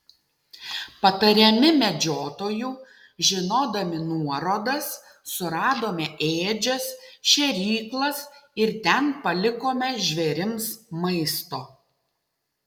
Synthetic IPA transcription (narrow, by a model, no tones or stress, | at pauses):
pɐt̪ɐɾʲɛmʲɪmʲɛd͡ʒʲoːt̪oːjuː | ʒʲɪnoːd̪ɐmʲɪnuɔɾoːd̪ɐsː | ʊɾɑːd̪oːmʲɛʔeːd͡ʒʲɛsʃʲɛɾʲiːklˠɐsɪɾt̪ʲɛnpɐlʲɪkoːmʲɛʒʲʋʲɛɾʲɪmsmɐɪst̪oː